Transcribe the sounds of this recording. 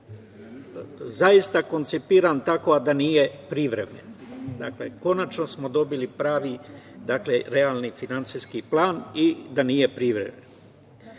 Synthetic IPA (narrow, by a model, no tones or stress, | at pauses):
zajist̪ako̞nt̪sipiɾant̪ako̞ad̪aniːje̞pɾiʋɾemḛnd̪akle̞̰ko̞nat͡ʃnosmo̞d̪o̞bilipɾaːʋid̪akleɾealˠnifinant̪siskiplˠaːnid̪aniːje̞pɾiʋɾe̞̰men